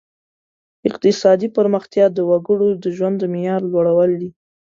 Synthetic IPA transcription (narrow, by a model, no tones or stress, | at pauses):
ɪq̚t̪ɪsɑd̪ipəɾməxt̪jɑd̪əwaɡəɽod̪əʒwand̪ːəmjɑɾlwaɽawəld̪i